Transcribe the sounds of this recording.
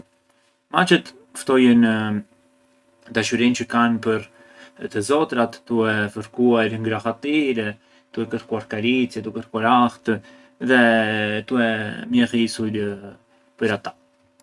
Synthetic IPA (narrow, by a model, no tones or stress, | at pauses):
mat͡ʃɛt̪ | ft̪ɔjənə | d̪aʃyɾint͡ɕəkanpəɾ | t̪əzɔt̪ɾat̪d̪uɛfəɾkuaɾŋɡɾaxat̪iɾɛ | d̪̥uɛkəɾkuaɾkaɾit͡sjɛd̪uɛkəɾkuaɾaxt̪ | ðɛt̪uɛmjɛxisul | pəɾat̪ḁ